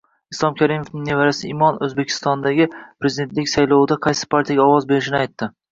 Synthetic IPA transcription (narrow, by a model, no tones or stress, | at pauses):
islˠɒmkʰʲaɾimofnɪŋnevaɾasɪɪmɒnɵzbekʲʰɪ̥st̪ɒnd̪aɡʲɪpɾezid̪ʲe̞nt̪lɪkʲsajlɒwd̪aqʰɑjsɪ̥pʰaɾt̪ʰijaɡʲaɒwɒzbe̞ɾɪʃɪnɪajt̪ʰːɪ